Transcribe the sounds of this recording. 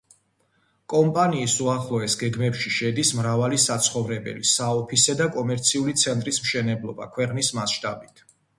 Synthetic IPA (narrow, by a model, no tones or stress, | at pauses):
kʼɔmpʼaniːsuaχlˠɔɛsɡɛɡmɛpʃiʃɛd̪ismɾavalisat̪sʰχɔvɾɛbɛ̰lisaɔpʰisɛd̪akʼɔmɛɾt̪sʰiulit̪sʰɛnt̪ʼɾismʃɛnɛblˠɔba̰kʰwɛqʼnismasʃt̪ʼabit̪ʰ